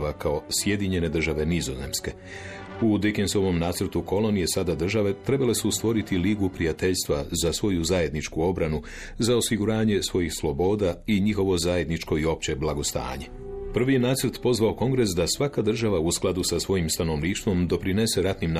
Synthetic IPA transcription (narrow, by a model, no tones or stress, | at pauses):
akao̞sje̞d̪iɲe̞ne̞d̪r̩ʒaʋe̞nizo̞ze̞mske̞ | ud̪ekenso̞ʋo̞mnaːt̪sr̩t̪uko̞lo̞nije̞sad̪ad̪r̩ʒaʋe̞t̪ɾe̞bale̞sust̪ʋo̞ɾit̪iliɡupɾiat̪e̞ʎst̪ʋazasʋo̞juzaje̞d̪nit͡ʃkuo̞bɾanu | zao̞siɡuɾaːɲe̞sʋo̞jixslˠo̞bo̞ːd̪aiɲixo̞ʋo̞zaje̞d̪nit͡ʃko̞io̞p̚t͡ɕe̞blˠaɡo̞st̪a̰ːɲe̞ | pr̩ʋije̞naːt̪sr̩t̪po̞zʋao̞ko̞ŋɡɾe̞sd̪asʋakad̪r̩ʒaʋausklad̪usasʋo̞jimst̪ano̞ʋniːʃt̪ʋo̞md̪o̞pɾine̞se̞ɾat̪nimn